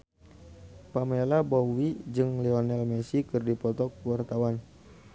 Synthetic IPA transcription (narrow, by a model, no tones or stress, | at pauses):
pamɛlabowid͡ʒɨŋlɛɔnɛlmɛsikɨrdipɔt̪ɔk̚wart̪awan